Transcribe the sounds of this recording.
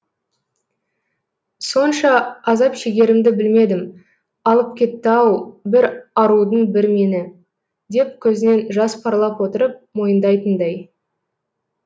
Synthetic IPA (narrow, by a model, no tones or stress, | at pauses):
so̞nʃɑːzɑpʃeɡʲe̞ɾɪmd̪ɪbɪlme̞d̪ɪm | ɑlˠəp̚kʲe̞t̪ːɪɑwbɪɾɑɾud̪ənbɪɾme̞nɪ | d̪e̞p̚kʲʰɵzɪne̞nʒɑspʰɑɾlˠɑpwo̞t̪əɾəp̚mo̞jənd̪ɑjt̪ənd̪ɑj